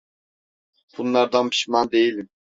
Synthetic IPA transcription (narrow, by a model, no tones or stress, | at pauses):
b̥unlˠɑɾd̪ɑnpʰi̥ʃmɑnd̪ejilim